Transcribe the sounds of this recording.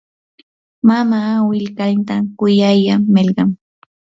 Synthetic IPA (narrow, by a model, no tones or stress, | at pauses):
mamawɪlkant̪akʊjajaːɪlɢɑm